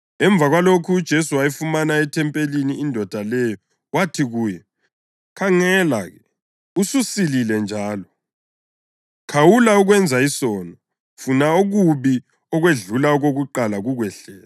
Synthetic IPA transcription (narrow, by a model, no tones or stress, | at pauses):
ɛɱb̪vʱaɣwalokʰuːd̥ʒ̥ʱesuwajifumanaɛtʰɛmpʼeliniːndʱɔd̥ʱalɛjɔ | watʰiɣuːjɛ | kʰaŋɛlaɣɛ | ususililɛnd͡ʒʱaːlɔ | kʰawulauɣwɛnd͡zʱaisɔnɔ | funaoɣuβi | ɔɣweɮulaɔɣoɣuǃalaɣuɣwɛɬɛːla